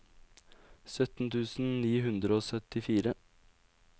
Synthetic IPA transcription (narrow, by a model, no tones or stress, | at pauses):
sœt̪n̩t̪ʰʉːsn̩niːhʉnd̪ɾəoːsœt̪ɪfiːɾə